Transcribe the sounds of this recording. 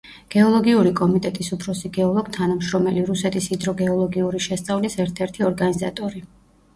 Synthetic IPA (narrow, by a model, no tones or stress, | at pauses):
ɡ̥ɛɔlˠɔɡiuɾikʼɔmit̪ʼɛt̪ʼisupʰɾɔsiɡɛɔlˠɔɡ̥t̪ʰanamʃɾɔmɛliɾusɛt̪ʰisid̪ɾɔɡɛɔlˠɔɡiuɾiʃɛst̪sʼavlisɛɾt̪ʰɛɾt̪ʰiɔɾɡaniza̰t̪ʼɔɾi